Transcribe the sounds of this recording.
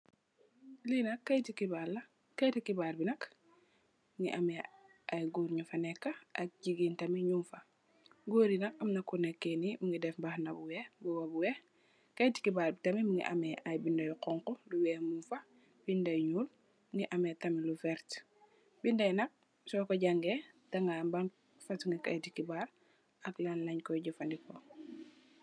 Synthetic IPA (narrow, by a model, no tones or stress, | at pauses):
linɐkːɐjtikibalːɐ | kɐjtikibaːɾbinɐk | mŋiʔamɛ | ʔajɡoɾɲufanɛkːaʔɐk̚ɟiɡiːntɐmiɲumfɐ | ɡoɾinɐkɐmnɐkːunekːenimuŋɡidɛfbahnabuwɛbuwabuwɛ | kajti̥kibaɾbitɐmimuŋɡḭʔa̰mɛʔajbindɐjqɔŋkɔluwɛmumfɐ | b̥indɐjɲul | mŋiʔametɐmilufɛɾt | bindɐjnɐk̚ | sɔkoɟaŋɡetaŋɡaːmbaŋ | fatuŋɡikajtikibaɾ | ɐklanlɐɲkɔjɟufandikɔ